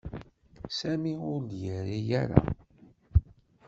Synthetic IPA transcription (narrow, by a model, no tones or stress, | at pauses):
sæmiʊɾljəɾijæɾa̰